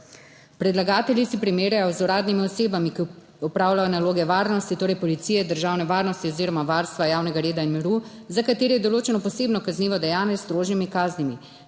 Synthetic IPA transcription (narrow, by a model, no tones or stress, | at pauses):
pɾɛd̪laɡaːt̪ɛljisipɾimeːɾjajɔzuɾaːd̪nimiɔseːbamiki | ɔpɾaːwlajɔnaloːɡɛʋaːɾnɔst̪it̪oːɾɛjpɔlit̪siːjɛd̪əɾʒaːwnɛʋaːɾnɔst̪iɔziːɾɔmaʋaɾst̪ʋajaːwnɛɡaɾeːd̪ainmiɾu | zakat̪eːɾɛjɛd̪ɔloːt͡ʃɛnɔpɔseːbnɔkazniːʋɔd̪ɛjaːnjɛst̪ɾoːʒnimikaːznimi